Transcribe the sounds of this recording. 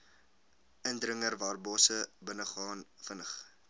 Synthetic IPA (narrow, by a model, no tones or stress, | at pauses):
əndrəŋərvɑːrbɔːsəbənəχɑːnfənəχ